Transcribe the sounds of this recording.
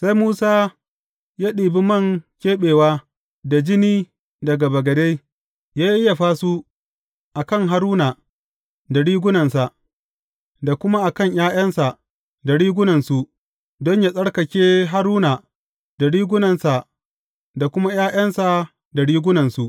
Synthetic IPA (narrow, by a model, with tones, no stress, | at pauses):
sa˦jmuː˦saː˦ | jaː˦ɗiː˨bi˦mɐ˦˨ŋkʲeː˦ɓeː˨waː˦ | da˨d͡ʒɪ˦niː˦ | dɐ˨ɡa˨bɐ˨ɡɐ˨de˦j | jaː˦ʔɪ˦ja˨ɸaː˦su˦ | ʔa˨kɐ˦˨ŋɦa˦ɾuː˦na˨ | da˨ɽiː˦ɡʷʊ˦nɐ˨nsa˨ʔ | da˨kʷʊ˦ma˦ʔa˨kɐ˦˨ɲjaː˦j̰ɐ˦nsa˨ʔ | da˨ɽiː˦ɡʷʊ˦nɐ˨nsu˨ʔ | dɔ˦ɲja˦˨sʼɐ˦ɽkɐ˨kʲeː˦ɦa˦ɾuː˦na˨ | da˨ɽiː˦ɡʷʊ˦nɐ˨nsa˨ʔ | da˨kʷʊ˦ma˦jaː˦jɐ˦nsa˨ | da˨ɽiː˦ɡʷʊ˦nɐ˨nsu˨ʔ